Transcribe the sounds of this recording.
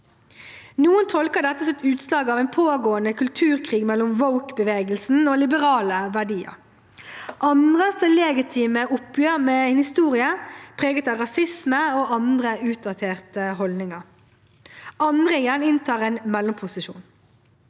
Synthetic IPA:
nuːənt̪ʰɔlkəʁd̪ɛt̪ːəsɛt̪ʉːt̪slɑːɡɑːʋɛɪnpʰoːɡoːənəkʰʉlt̪ʰʉːʁkʰʁiːɡmɛlʊmʋɔʊkbəʋeːɡəlsn̩oːlɪbəʁɑːləʋæɖiːə̰ʁ | ʔɑnd̪ʁəsɛleːɡɪt̪ʰiːməʔʊpjøːʁmeːhɪst̪uːʁɪəpʰʁeːɡət̪ɑʁɑsɪsməoːʔɑnd̪ʁəʉːt̪̚d̪ɑt̪ʰeːʁt̪əhɔld̪nɪŋɑʁ | ɑnd̪ʁəɛjænɪnt̪ʰɑːʁɛːnmɛlɔmpʰʊsɪʃṵːn

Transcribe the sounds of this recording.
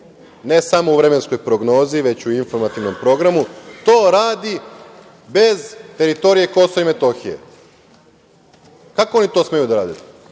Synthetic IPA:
ne̞samouʋɾe̞me̞nsko̞jpɾo̞ɡno̞ːziʋe̞t͡ɕuinfo̞ɾmat̪iʋno̞mpɾo̞ɡɾamut̪o̞ːɾaːd̪i | be̞zt̪e̞ɾit̪o̞ɾije̞ko̞soime̞t̪o̞xije̞̰ | kakoonit̪osme̞jud̪aɾaːd̪et̪

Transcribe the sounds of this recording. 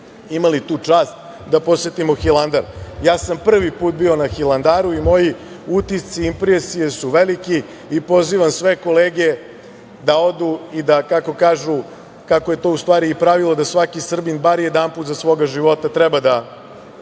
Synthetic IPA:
imalit̪uːt͡ʂaːst̪ | d̪apo̞set̪imo̞xilˠand̪aɾjaːsampr̩ʋipuːt̪̚bio̞naxilˠand̪aːɾuimo̞ji | ut̪ist̪siimpɾesije̞suʋelikiː | po̞ziʋamsʋe̞ko̞leːɡe | d̪ao̞d̪uid̪akako̞kaːʒu | kakoje̞t̪o̞ust̪ʋaːɾiːpɾaʋilˠod̪asʋakisr̩binbaɾjed̪anpuːt̪zasʋo̞ːɡaʒiʋo̞t̪at̪ɾɛbad̪a

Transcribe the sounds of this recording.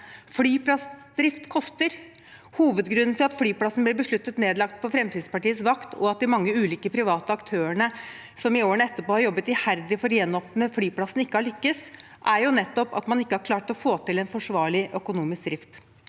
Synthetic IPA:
flyːplɑsd̪ɾɪft̪kʰɔst̪əɾ | huːʋəd̪ɡɾʉnːnt̪ɪlɑt̪flyːplɑsn̩b̪ɪbəʂɭʉt̪ːət̪neːd̪lɑkt̪̚pʰɔfɾɛmt̪ʰiːd̪spɑʈiːəsʋɑkt̪ʰɔ̰ɑt̪̚d̪ɪmɑŋːəʉːliːkəpʰɾɪʋɑːt̪əɑkt̪ʰøːəɳə | sɔmɪoːəɳɛt̪ːəɾpoːhɑɾjɔbːət̪ɪhæɾd̪ɪfɔɾjɛnːɔpnəflyːplɑsːnɪkːəhɑɭʏkːəs | ʔæɾjʊnɛt̪ːɔpɑ̰t̪mɑnɪkːəhɑɾkʰlɑːʈɔfoːt̪ɪlɛnfɔʂʋɑːɭɪʔœkʊnuːmɪskd̪ɾɪft̪

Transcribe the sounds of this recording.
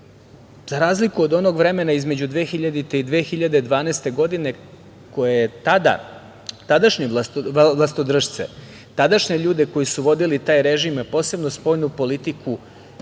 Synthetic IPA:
z̥aɾaːzlikuod̪o̞no̞ɡʋɾe̞me̞naizmed͡ʑud̪ʋe̞ːxiʎad̪it̪eid̪ʋeːxiʎad̪ed̪ʋaːnest̪e̞ɡo̞d̪ine̞ | ko̞jejet̪ad̪a̰ | t̪ad̪aʃɲilˠast̪od̪r̩ʃt̪sḛ | t̪ad̪aʃɲeʎuːd̪e̞ko̞jisuʋo̞d̪ilit̪aːjɾeʒimpo̞ːse̞bno̞spo̞ːjnupo̞lit̪iku

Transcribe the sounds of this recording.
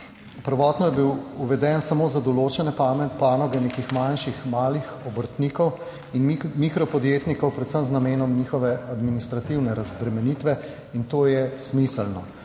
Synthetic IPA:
pəɾʋɔːt̪nɔjɛbiwuʋɛd̪ɛnsamoːzad̪ɔloːt͡ʃɛnɛpamɛpaːnɔɡɛneːkixmanʃixmaːlixɔbəɾt̪niːkɔw | inmikɾɔpɔd̪jeːt̪nikɔwpɾɛt̪səmznameːnɔmniːxɔʋɛad̪minist̪ɾat̪iwnɛɾazbɾɛmɛniːt̪ʋɛ | int̪oːjɛsmisəlnɔ

